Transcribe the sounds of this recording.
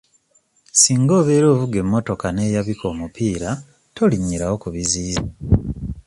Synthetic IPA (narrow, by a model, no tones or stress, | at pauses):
siːŋɡo̞ːβeːɾo̞ːvuɡe̞mːo̞to̞kane̞ːjaβikʰo̞ːmupʰiːɾa | to̞liɲːiɾawo̞kuβiziːza